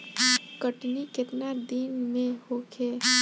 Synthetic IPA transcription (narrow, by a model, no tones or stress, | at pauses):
kəʈnikɪt̪nad̪inmẽhokʰeː